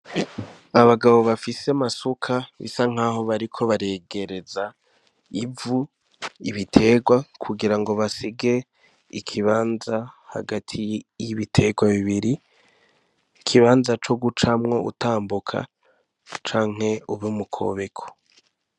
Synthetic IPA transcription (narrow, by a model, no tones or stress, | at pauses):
aβaɡaβo̞βafisemasukʰaβḭsaŋ̥aːɦo̞βaɾikʰo̞βaɾe̞ːɡe̞ɾe̞za | ivu | iβitʰe̞ːɡwakʰuɡiɾaŋɡo̞βasiɡe̞ | ikʰiβaːnzaha̰ɡatʰijiβitʰe̞ːɡwaβiβiɾi | kʰiβaːnzat͡ʃo̞ɡut͡ʃamŋo̞ṵtaːmbukʰa̰ | t͡ʃaːŋ̥he̞uβumukʰo̞̰ːβe̞kʰo̥